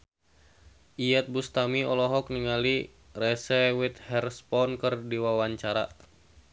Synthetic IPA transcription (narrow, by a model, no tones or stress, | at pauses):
ʔijɛt̪̚bust̪amiɔlɔɦɔk̚niŋali | rɛsɛwit̪̚hɛrspɔnkɨrdiwawaɲt͡ʃaɾa̰